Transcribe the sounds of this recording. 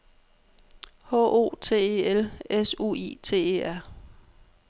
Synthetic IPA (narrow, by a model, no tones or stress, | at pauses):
hɔ̰ːʔo̝̰ːt͡sʰe̝̰ːeelesṵḭːt͡sʰe̝̰ːe̝̰ːæɐ̰